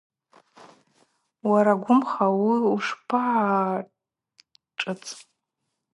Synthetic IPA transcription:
waɾaɡʷʊmχawiuʂpʰaʕa | ʈ͡ʂʼɨt͡sʼ

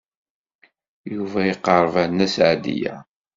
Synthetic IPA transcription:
juvæjəqːəɾˤvænːæsʕad̪ḭjæ̰

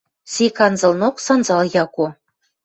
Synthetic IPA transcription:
sʲikɑnzɤ̆lˠnoksɑnzɑlˠjɑku

